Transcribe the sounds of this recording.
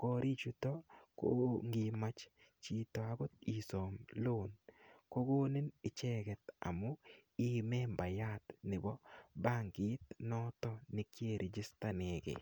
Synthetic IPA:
kɔ˦ɾi˦t͡ʃu˦t̪ɔ˦ko̰˦ŋɡɪ˨ma˦t͡ʃt͡ʃi˦t̪ɔ˨a˨ɡɔ˦t̪̚i˨sɔ˨mlo˦˨nko˦ɡo˦nɪ˦nɪ˨t͡ʃɛ˦ɡɛ˨t̪a̰˨mʊ˦ɪ˦mɛ˦mba˨ja˦t̪nɪ˨bɔ˦ba˦ŋɡɪ˦t̪nɔ˦t̪ɔ˦nɪ˨kje˦˨ɾi˨d͡ʒɪ˦st̪a˦ne˨ɡḛ˨

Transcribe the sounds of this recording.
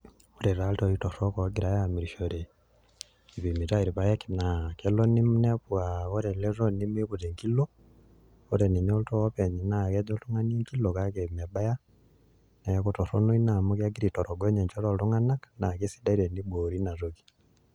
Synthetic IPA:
uɾe˨ɾa˦ltoito˨ɾoko˨ɡiɾajami˨ɾiʃoɾe | i˨βimi˨taiɾi˨βa˦je˦ki˨nakelo˦ni˦mune˦βuao˦ɾe˨le˦ro˦ni˦mu˦i˦βuɾe˨ŋkilo | o˦ɾeni˨ɲo˦ltoope˨ɲi˨nake˦do˦ltuŋa˦ni˦ŋkilokakeme˨ba˦ja˦ | ne˨˦kuto˨ɾo˦nu˦i˦na˨muka˦ɡiɾi˨to˨ɾo˨ɡo˦ɲe˨ɲt͡ʃo˦ɾo˨ltu˦ŋa˦nana˨ki˦sida˦iɾe˨ni˦ɓo˨ɾina˨zoki̥

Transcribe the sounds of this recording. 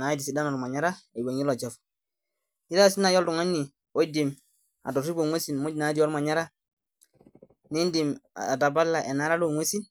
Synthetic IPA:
na˨˦disi˨da˦nɔ˨ɾma˨ɲa˦ɾa˦e˨bo˨ɲi˦lo˨d͡ʒa˦˨f | ɲi˦da˦˨si˦na˨jo˦ldu˨ŋa˦ɲni˨ | o˦di˨m | a̰˨do˨ɾi˦bo˨ŋwo˦si˨nmu˦d͡ʒna˨˦di˦o˦ɾma˨ɲa˦ɾa˦ | ni˦ndi˨ma̰˨da˨ba˦lːa˨ʔe˨na˦ɾa˦lo˦˨ŋwo˦si˦n

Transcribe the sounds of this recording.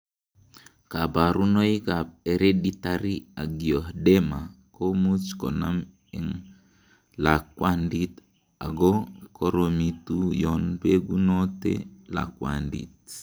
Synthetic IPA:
ka˨ba˨ɾu˦no˦i˦ka˨p̚e˨ɾe˦ditaɾi˦a˨ɡio˨hdema˨ko˦mu˦t͡ʃkɔ̰˨nam | ɛ˨ŋ | la˨k̚wandit | a̰˨ɡɔ˦kɔ˦ɾomitu˦jɔnbeɡu˦notḛla̰˨kwa̰ndḭt̚

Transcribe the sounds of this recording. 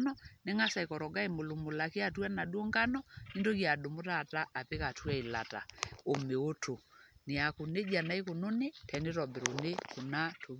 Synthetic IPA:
nɔne˦ŋa˦sa˨e˨kɔ˨ɾɔ˨ɡa˦e˨mo˨lo˨mo˨la˨ke˦a˦˨twa˦na˨dwɔ˦ŋɡa˦nɔi˦ndo˦kja˨do˨mo˦ta˦˨ta˦ʔːpe˦ka˨twɛ˦e˨la˨ta˨o˨me˨o˦tʰo˨ne˨a˨ko˨ne˦d͡ʒa˨na˨˦e˦ko˨no˦ne˦tʰɛ˨ne˦ɾɔ˨be˨ɾo˨ne˦ko˨na˦tʰo˨

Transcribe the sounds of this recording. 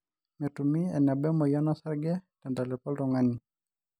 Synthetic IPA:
mɛ˨tu˨mi˦ɛ̰˨na˨bɛ˦mɔ˨ja˦na˦sa˦ɾɡɛ˦ta˨nda˨lɛ˨pɔ˦ldɔ˨ŋa˦ni˨

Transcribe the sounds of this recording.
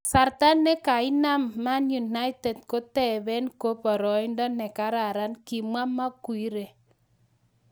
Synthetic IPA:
sa˨ɾta˦nɛ˦ka˨ɪ˦na˦mːa˦nju˨na˦ɪ˦tɛ˨d̚ko˦tɛ˦˨bɛ˦nko˦pɔ˨ɾɔ˨ɪ˦ndɔ˦nɛ˨ka˨˦ɾa˨ɾa˦nki˨ma˦ma˦kwi˦ɾe˨

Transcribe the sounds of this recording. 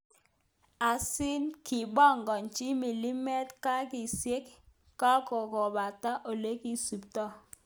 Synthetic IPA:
a˨sɪ˦nki˨bɔ˦ŋɡɔ˨nt͡ʃi˦mi˨li˦mɛ˦tka˦kɪ˨se˦kː | a˦ko˨kɔ˨ba˨ta˦ʔo˨le˦ki˦su˨ptɔ˦

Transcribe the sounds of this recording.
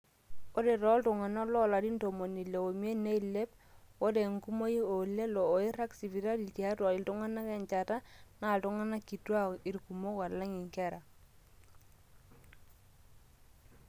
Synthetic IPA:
o˦de˨ɾɔ˦ltʊ˨ŋa˨nɔ˦lɔ˦˨la˨di˦ndo˨mo˨ni˨le˨wo˨mje˦ne˦i˨le˦p̚ | o˦de˨ŋku˦mo˦i˦o˨le˦lɔː˨i˦ɾa˦ksi˨vi˨ɾa˦li˨ti˨a˦twa˨li˨ltʊ˦ŋa˦na˦kɛ˨ɲt͡ʃa˨ta˦na˨ltʊ˦ŋa˦na˦ki˨twa˦i˨ɾku˨mo˦ka˨la˦ŋi˨ŋkɛ˦ɾa˨

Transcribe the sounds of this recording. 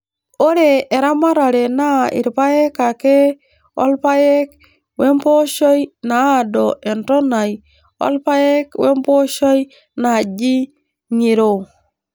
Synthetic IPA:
o˦ɾe˨e˨ɾa˦ma˦ɾa˨ɾe˨na˦ḭ˨ɾpa˦je˦ka˨ke˦ | o̰˦lpa˦je˦k̚ | we˦mpo˦ʃo˦jna˨a˦do˨ʔe˨nto˦na˨j | o̰˦lpa˦je˦kwe˦mpo˦ʃo˦j | na˨d͡ʒi˦ | ɲi˨ɾo˨

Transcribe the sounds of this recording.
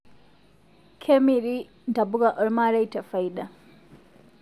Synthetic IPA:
kʰe˦mi˨ɾi˦ | nda˨bu˦ɡa˨ʔɔ˦ɾma˦ɾa˦jta˨fa˨jɗa˨

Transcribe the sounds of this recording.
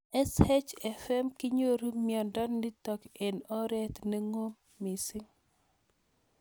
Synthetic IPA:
ɛ˦shɛ˦t͡ʃɛ˨fɛ˦mki˦ɲo˦ɾu˦miɔ˨ndɔ˦ndi˦tɔ˨kɛ˨nɔ˦ɾɛ˦tne˦ŋo˦mːi˨sɪ˦ŋ

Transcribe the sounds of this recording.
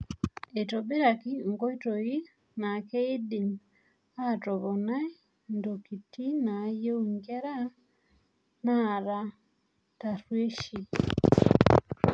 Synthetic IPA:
e˨tɔ˨be˦ɾa˨ki˦ŋ˨ɡɔ˦i˦tɔ˨i˦ | na˨ke˦i˦di˨ŋ | a˦˨tɔ˨βɔ˨na˦ | ndo˨ki˨ti˦na˨˦je˦u˨ŋɡɛ˦ɾa˦ | na˦˨ɾa˦ | ta˨ɾwe˦ʃi˨

